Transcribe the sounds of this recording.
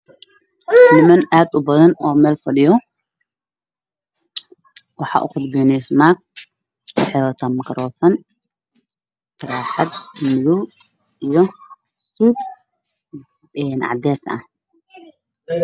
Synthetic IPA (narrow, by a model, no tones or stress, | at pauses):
nɪmɐnaːd̪ʊbɐðɐnɔːmɛːlfɐɖɪjɔ | wɑħɑ̰ːʔʊ̰qʊd̪bɛnɛsmak̚ | ɪħɛlɐt̪ʰɐmɡɐɾɔːfɐn | tɐɾaːħɑd̪mʊðuw | ijɔ | suːd̪ | ɛnʔɑ̰ʕd̪ɛːsɐ̰h